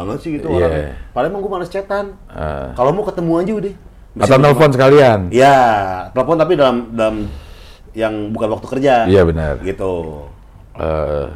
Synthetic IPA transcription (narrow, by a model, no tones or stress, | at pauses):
baŋət̪sɪhɡit̪uaapalamaŋɡumanast͡ʃet̪an | ə̰kalomokət̪əmuand͡ʒudɛh | məat̪awt̪ɛləfɔnsəkalianjat̪ələfɔnt̪apidalamdalam | jaŋbukanwak̚t̪u̥kərd͡ʒaijabənə̰rɡit̪u | ə̰